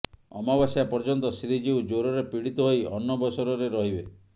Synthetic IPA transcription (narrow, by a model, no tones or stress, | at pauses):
ɔ̰mabasijapɔɾd͡ʒɔnt̪ɔsɾid͡ʒiud͡ʒoɾɔɾepiɽit̪ɔɦojɔnːɔbɔsɔɾɔɾeɾɔɦibe